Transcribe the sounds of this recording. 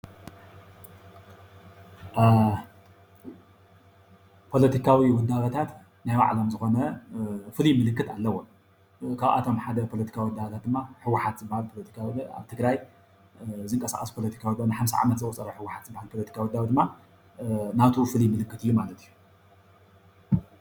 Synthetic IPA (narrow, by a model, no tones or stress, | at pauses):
pʰo̞lɐt̪ʰikʰawiwɔd̪ːaβɐt̪ʰat̪ | najwa̰ʕlomzɨxo̞nɐfɨlimɨlɨkːɨt̪alːɐwo | kʰaβʔa̰t̪ʰo̞mħad̪ɐpʰo̞lɐt̪i̥kʰawiwɔd̪ːabɐt̪ʰat̪d̪ɨmːaħɨwːʊħat̪zɨbahalpʰolɐt̪ʰi̥kʰawia̰βt̪ʰɨɡɾaj | zɨŋkʼɐsa̰χʼɐspʰo̞lɐt̪ʰi̥kʰawid̪anaħamsa̰ʕa̰mɐt̪zɐkʼɔt͡sʼɐɾɐħɨwːʊħat̪zɨbːahalpʰolɐt̪ikʰawɔd̪ːawid̪ɨmːa | nat̪ʰufɨljmɨlɨkːɨt̪ɨjːumalɐt̪iju